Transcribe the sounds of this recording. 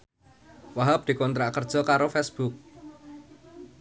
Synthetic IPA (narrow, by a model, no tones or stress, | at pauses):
waɦap̚d̪̥i̤kɔnt̪ɾaʔkərd̥ʒ̥ɔ̤kaɾofɛsb̥uk̚